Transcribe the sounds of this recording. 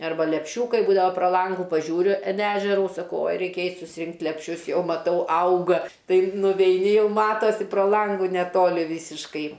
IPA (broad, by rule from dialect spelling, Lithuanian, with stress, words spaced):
ɐrˈbɐ lʲɛpʲˈʃʲuːkɐɪ ˈbuːdɐʋɐ proː ˈlˠɐŋɡʊ pɐˈʒʲuːrʲʊ ɪn ˈæːʒʲɛrʊ sɐˈkɐʊ oːj ˈrʲɛɪkʲɛ ˈɛɪtʲ sʊsʲɪˈrʲɪŋktʲ lʲɛpʲˈʃʲʊs ˈjɛʊ mɐˈtɐʊ ˈɐʊɡɐ ˈtɐɪ nʊʋʲɛɪˈnʲɪ ˈjɛʊ ˈmɑːtoːsʲɪ proː ˈlˠɐŋɡʊ nʲɛˈtoːlʲɪ ˈʋʲiːsʲɪʃkɐɪ